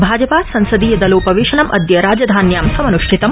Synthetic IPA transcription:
bʱaːd͡ʒɐpaːsɐnsɐd̪ijɐd̪ɐluːpɐʋiːʃɐɳɐmʔɐd̪jɐɾaːd͡ʒɐd̪ʱaːnjaːmsɐmɐnuʃʈʰit̪ɐm

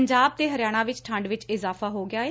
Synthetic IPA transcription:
ɲd͡ʒaːb̚t̪eːɦəɾɪjaːɽ̃ãːʋɪt͡ʃʈʰə̃ɳɖʋɪt͡ʃɪzaːfaːɦoːɡɪaːeː

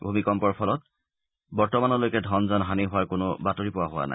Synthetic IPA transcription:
bʱumikɔmpɔɹpʰɔlɔt̚ | bɔɹtɔmanɔlojkɛdʱɔnzɔnɦaniɦʊwaɹkʊnʊ̰batoɹipʊaɦʊwa̰na̰j

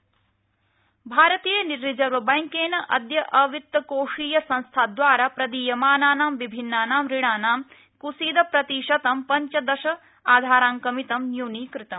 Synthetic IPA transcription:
bʱaːɾɐt̪iːjɐniɾːid͡ʒɐɾʋɐbɐjŋkeːnɐʔɐd̪jɐʔɐʋit̪ːɐkoːʂiːjɐsɐ̃nst̪ʰaːd̪ʋaːɾaːpɾɐd̪iːjɐmaːnaːnaːmʋibʱinːaːnaːmɾiɽaːnaːm | kusiːd̪ɐpɾɐt̪iːʃɐt̪ɐmpɐɲt͡ʃɐd̪ɐʃɐ | aːd̪ʱaːɾaːŋkɐmit̪ɐmnjuːniːkɾɪt̪ɐm

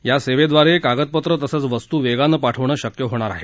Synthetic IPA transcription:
jaseʋed̪ʋaɾekaɡət̪̚pət̪ɾət̪əsət͡sʋəst̪uːʋeɡanːəpaʈʰəʋɳəːɕəkjəɦoɽ̃aɾa̰ɦe

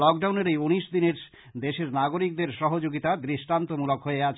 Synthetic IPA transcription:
lɔk̚ɖawneɾejuniʃd̪ineɾ | d̪eʃeɾnaɡoɾik̚d̪eɾʃɔɦod͡ʑoɡit̪ad̪ɾiʃʈant̪omulokɦoeat͡ɕʰ

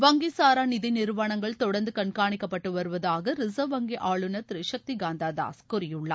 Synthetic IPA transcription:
ʋɐŋɡisaːɾaːnɪðinɪɾʋaːɳɐŋɡɐɭt̪ɔɽɐɾnd̪ɯkɐɳkaːɳɪkːɐpːɐʈːɯʋɐɾɯʋɐðaːɣɐɾɪsɐʋɐŋɡiʔaːɭɯnɐt̪ɪɾɪʂɐk̚t̪iɡaːnd̪aːd̪a̰ːskʊrɪjɯɭːɐ̰

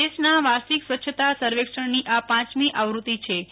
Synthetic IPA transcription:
eʃnaʋasiksʋətːʃʰət̪asəɾʋekʂəɳniʔapãt͡ʃmiʔaʋɾut̪it͡ʃʰe

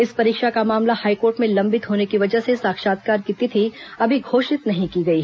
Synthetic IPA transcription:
ɪspɐɾiːkʃakamaːmlahaːikoːɾʈmẽlɐ̃mbɪt̪ɦoːnekiʋɐd͡ʒəɦsesaːkʃaːt̪kaːɾkiːt̪it̪ʰiɐbʱiɡʱoːʃɪt̪nɐɦĩkiɡɐiɦ

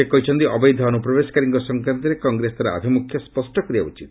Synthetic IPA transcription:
ekɔɦit͡ʃʰɔnt̪iɔbɔjd̪ʱɔːnupɾɔbeskaɾiŋkɔsɔŋkɾant̪ɔɾekɔŋɡɾesd̪aɾaa̰d̪ʱimukʰjɔspɔsʈɔkɔɾia̰ṵt͡ʃit̪

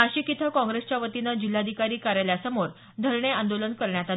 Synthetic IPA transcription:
əɕiːkit̪ʰakɔ̃ŋɡɾest͡ɕjaʋət̪inad͡ʑil̤ːad̪ʱikaɾiːkaɾaljasəmoɾ | d̪ʱəɾɳeãnd̪olənkəɾɳjat̪a

